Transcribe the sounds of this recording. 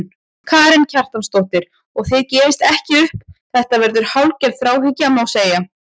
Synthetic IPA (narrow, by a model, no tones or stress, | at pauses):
kʰaːɾɛncʰar̥t̪amst̪owht̪ɪɾ̥ | ɔɣθɪðcɛːvɪst̪ɛhcɪʏhpθɛht̪avɛɾðʏɾ̥hawlcɛɾθɾaːwɦɪcːamawseːja